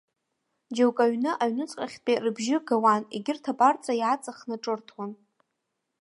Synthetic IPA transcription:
d͡ʒewkʼaɥnɨʔaɥnɨt͡sʼqʼaχʲtpʼerɨbʒɪɡawanḛɡʲɪrtʰapʼart͡sʼajat͡sʼaχnɨʈ͡ʂʼɨrtʰwan

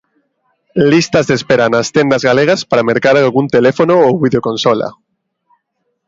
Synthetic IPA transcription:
list̪azðespeɾanast̪end̪azɣaleɣ̞aspaɾameɾkaɾalɣunt̪elefonoowβiðeokonsola̰

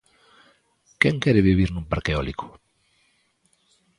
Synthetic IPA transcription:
kjeŋkeɾeβ̞iβ̞iɾnũmpaɾkeoliko̥

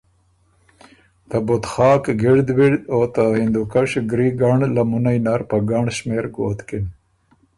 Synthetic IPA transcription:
t̪abʊt̪xɑːkɡiɽd̪wiɽd̪oːt̪ahind̪ukaʂɡɾiɡaɳlamunajnaɾpaɡaɳɕmeːɾɡoːt̪kin

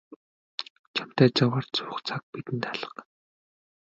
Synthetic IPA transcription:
t͡ɕʰam̥t̪æːt͡sawaːrt͡sʊːχt͡sʰak̚pit̪ɘ̆nt̪aɮə̆q

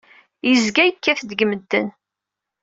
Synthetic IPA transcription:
jəzɡæjəkːæθd̪əɡməd̪ːə̰n

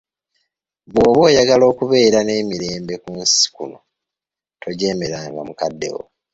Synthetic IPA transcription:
βwo̞ːβo̞ːjaɡalo̞ːkuβe̞ːɾane̞ːmiɾe̞ːmbe̞kunsi̥kuno̞ | to̞ɟe̞ːme̞ɾaːŋɡa̰mukadːe̞̰wo̰

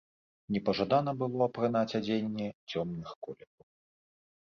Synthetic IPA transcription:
nʲɛpɐʐad̪an̪ɐbɨlˠɔɐpɾɨnat͡sʲad͡zʲenʲːɛt͡sʲɔmnɨxkɔlʲɛkɐw

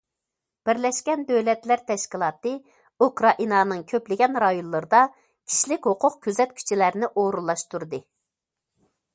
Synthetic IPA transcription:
b̥ɪɾlɛʃkʲɛnd̪øwlɛt̪læɾt̪ʰɛʃkʲilˠɑːt̪ɨ | ukɾɑʔinɑːnɨŋkʲʰøplɪɡʲɛnɾɑjonlˠɨɾɨd̪ɑ | kʲʰi̥ʃlɪkʲhoqʰʊqkʲʰøzɛt̪̚kʲʰy̥t͡ʃʰɪlæɾnɪʔoɾulˠːɑʃt̪uɾd̪ɨ

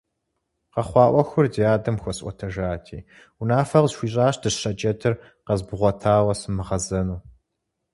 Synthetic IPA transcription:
qɐχʷɑːʔʷɔxʷʊrdijaːdɐmxʷɔsʔʷɔ̰tʰɐʒaːtʰḭː | unaːfɐʁzʃʷiːɕʼaːʃdɨɕɐt͡ʃʼɐtʰɨr | qɐzbʁʷɔtʰaːwɐsɨmɨʁɐzɐnuː

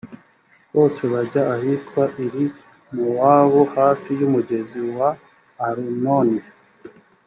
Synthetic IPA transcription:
βo̞ːse̞βaɟaːhiːtkwaʔiɾi | muwaβuhaːfijumuɟe̞ziwaː | ɾinoni

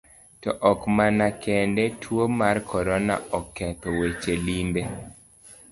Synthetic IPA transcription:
tɔʔɔkmanakɛndɛtʰwomarkʰɔɾɔna̰ɔkːɛt̪ɔwet͡ʃelinbe

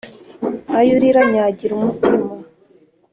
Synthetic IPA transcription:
ajuɾiɾaɲaɟiɾumutʰima

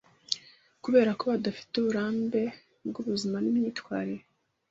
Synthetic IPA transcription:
kuβe̞ːɾako̞βadafi̥tuβuɾaːmbe̞ | b̚ɡuβuzimanimɲiːtwaːɾe

